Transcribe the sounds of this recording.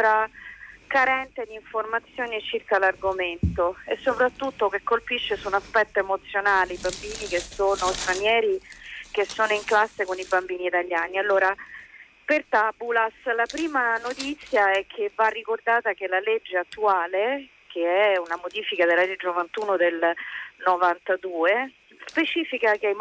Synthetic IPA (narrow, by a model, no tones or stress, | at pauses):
ɾa | kaɾɛnt̪ed̪iɱformat̪sːjoːnit͡ʃirkalarɡoment̪oesːopɾat̪ːut̪ːokekːolpiʃːesunaspɛt̪ːoemot̪sːjonaːleibambiːnikesoːnost̪ɾanjɛːɾikesːoːnoiŋklasːekonibambiːniːt̪aʎːaːnialːoːɾa | pert̪abulaslapɾiːmanot̪it̪sːjaɛkʰːevːarːikord̪aːt̪akelaled͡ʒːeat̪ːuaːle | keɛunamod̪iːfikad̪elːaed͡ʒːenovant̪uːnod̪elnovant̪ad̪uːe | spet͡ʃiːfikak̟eaj